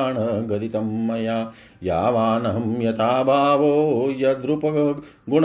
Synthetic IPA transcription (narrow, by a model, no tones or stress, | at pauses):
ɳɐɡɐd̪it̪ɐmːɐjaː | jaːʋaːnɐɦɐmjɐt̪aːbʱaːʋoːjɐd̪ɾupɐɐ | ɡuɳ